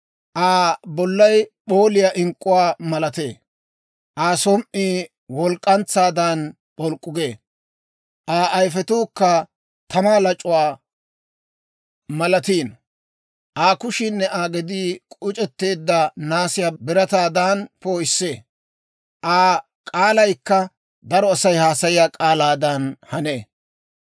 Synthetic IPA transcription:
ʔaːbɔlːɐjpoːlɪjaʔɪŋkʼʊwaːmɐlɐt̪eː | ʔaːsɔmʔiː | wɔlkʼːɐnt͡sːaːd̪aːn | ɓɔlkʼːʊɡeː | ʔaːʔɐjfɛt̪uːkːɐ | t̪ɐmaːlɐt͡ʃʼʊwaː | mɐlɐt̪iːn | ʔaːkʊʃɪnːɛʔaːɡɛd̪iːkʼʊt͡ʃʼɛt̪ːe̞ːd̪ːɐnaːsɪjaːbɪɾɐt̪aːd̪aːnpoːjɪsːe̞ː | ʔaː | kʼaːlɐjkːɐ | d̪ɐɾɔɐsɐjhaːsɐjɪjaːkʼaːlaːd̪ɐnhɐneː

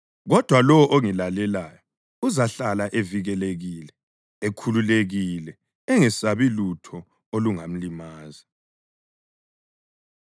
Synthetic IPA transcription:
ɣɔd̥ʱwalɔwɔʔoŋilalɛlaːjɔ | uzaɬalaʔeviɣɛleɣiːlɛ | ekʰululeɣilɛ | ɛŋɛsaβilutʰɔ | oluŋam̩limaːzi

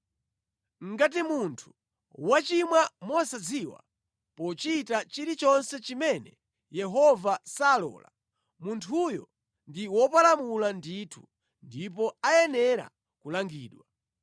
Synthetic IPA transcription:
ŋ̩ɡat̬imuntʰu̥ | wat͡ʃimwamɔsad͡ziwa̰ | pɔt͡ʃitat͡ʃiɾit͡ʃɔnsɛt͡ʃimɛnɛ | jɛɦɔvasaːlɔ̰ːla̰ | muntʰujɔ̰ | ndiwɔpalamulanditʰu | ndip̬ɔajɛnɛɾa̰ | kulaŋɡḭːɗwa

